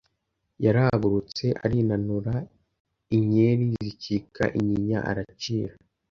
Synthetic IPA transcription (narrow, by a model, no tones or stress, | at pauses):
jaɾahɡuɾut͡se̞ʔa̰ɾinanuɾa | iɲe̞ɾizicikʰa̰ʔiɲiɲa̰ʔa̰ɾat͡ʃiːɾa